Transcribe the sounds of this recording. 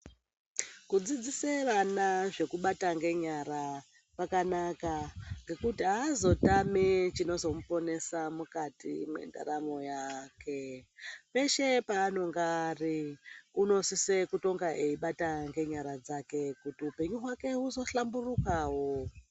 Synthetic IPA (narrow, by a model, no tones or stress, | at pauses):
kud͡zid͡ziseranaʐe̞kuɓataŋɡe̞ɲaɾa | pakanakaŋɡe̞kutiɦaːzo̞tamit͡ʃino̞zo̞mupo̞ne̞samukatḭmwe̞̰nda̰ɾamo̞jakʰe̞pe̞ʃe̞paːno̞ŋɡariuno̞sise̞kuto̞ŋɡaʔe̞iɓataŋɡe̞ɲaɾad͡zake̞kutiupe̞ɲuɦwake̞uzo̞ɬamburukaːwo